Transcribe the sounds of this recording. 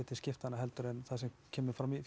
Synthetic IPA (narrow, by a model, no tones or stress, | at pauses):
ɪt̪ɪnscɪft̪hanːaɦɛlt̪ʏɾɛnθaðsɛmcʰɛːmʏɾfɾami